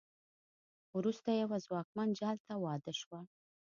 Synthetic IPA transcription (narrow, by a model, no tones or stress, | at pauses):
wɾust̪ajawazwɑkmand͡ʒɑlt̪awɑd̪əʃwa